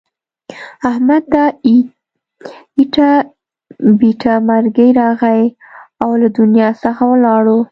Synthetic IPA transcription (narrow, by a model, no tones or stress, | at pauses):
ahmad̪ːa | iʈa | biʈʰamaɾɡəjɾɑɣaj | awlad̪ʊnjɑsəxawəlɑɽo